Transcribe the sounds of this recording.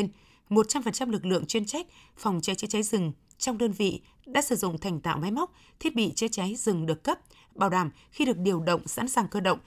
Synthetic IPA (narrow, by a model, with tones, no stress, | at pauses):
n | mo˨˩t̚t͡ɕa˧mfə˨˩nt͡ɕa˧mlɨ˨˩k̬̚lɨ̰˧˨əŋt͡ɕwi˧ənt͡ɕa˦˥k̚fɔ˨˩wŋ͡mt͡ɕa˨˦jt͡ɕɛ˧˦jt͡ɕa˨˦jzɨ˨˩ŋ | t͡ɕɔ˧wŋ͡mɗəː˧nvḭ˧˨ | ɗa̰ː˧˥sɨ̰˧˩zʊ̰˧˨ŋ͡mt̪ʰa˨˩jŋ̟t̪a̰ː˧˨wma˨˦jm˦˥k͡p̚ | t̪ʰi˦˥ət̚ɓḭ˧˨t͡ɕɛ˨˧˦t͡ɕa˨˦jzɨ˨˩ŋɗɨ˨˩ək̚kə˦˥p̚ | ɓaː˨˩wɗaː˨˩m | xi˧ɗɨ˨˩ək̚ɗi˨˩əwɗə̰˧˨wŋ͡msa̰ː˧˥nsaː˨˩ŋkəː˧ɗə̰˧˨wŋ͡m